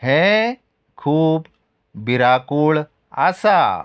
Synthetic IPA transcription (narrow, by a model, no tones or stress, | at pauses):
hɛ̃ | kʰuːb | biɾaːkuɭ | a̰sa